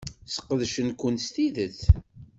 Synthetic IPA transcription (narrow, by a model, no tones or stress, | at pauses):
sə̥qːəðʃənkʷʊnst̪iðəθ